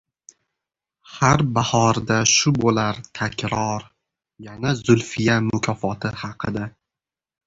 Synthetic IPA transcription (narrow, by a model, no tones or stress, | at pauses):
haɾbahɒɾd̪aʃʊbolaɾt̪ʰakʲʰɾɒɾ | janazʊlfɪjamʊkʲʰɒfɒt̪ʰɪhɑqʰɨd̪a